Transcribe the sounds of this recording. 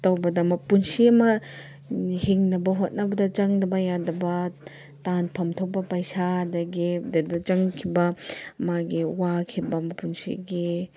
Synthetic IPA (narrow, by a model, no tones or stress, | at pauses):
tawbɐdɐmɐpunsiɐmɐ | hiŋnɐbɐɦot̚nɐbɐdɐt͡ʃɐŋnɐbɐjadɐbɐ | tanpʰɐmtʰopːɐpajsadɐɡidadɐt͡ʃaŋkʰibamaɡiwakʰibamɐpunsḭɡi